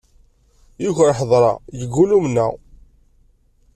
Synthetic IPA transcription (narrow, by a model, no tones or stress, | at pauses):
jiçɾħəðˤɾˤɑ̰jəɡːulumnːæ̰